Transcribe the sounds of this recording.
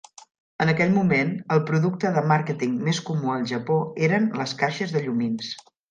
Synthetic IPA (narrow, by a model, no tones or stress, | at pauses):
ənəkɛʎmumenəlˠpɾuðuk̚t̪əðəmaɾkət̪iŋmeskumuəlˠʒəpoeɾənləskaʃəzðəʎumins